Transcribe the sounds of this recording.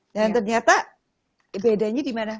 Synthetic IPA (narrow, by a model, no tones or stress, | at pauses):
dant̪ərɲat̪a | bedaɲadimana